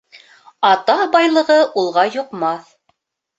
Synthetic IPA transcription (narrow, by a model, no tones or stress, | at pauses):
ɑt̪ɑbɑjlˠɤ̆ʁɤʔulˠʁɑjŏqmɑθ